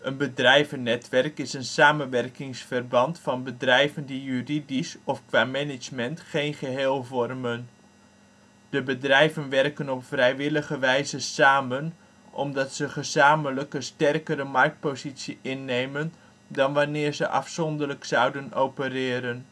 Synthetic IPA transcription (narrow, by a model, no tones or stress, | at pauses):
ənbədrɛjvənːɛtʋɛrkɪsənsaːmənʋɛrkɪŋsfərbɑntfɑnbədrɛjvəndijyridisɔfkʋaːmɛnɪd͡ʒmɛntχejnχəɦeːlˠvɔrmən | d̥əbədrɛjvənʋɛrkənɔpfrɛjʋɪləχəʋɛjzəsaːmən | ʔɔ̰mdɑtsəχəzaːmələkənstɛrkəɾəmɑrk̚t̚pozitsiɪnːejmən | dɑnʋanɪːrzəʔɑ̰fsɔndələksɑwdənowpərɪːɾən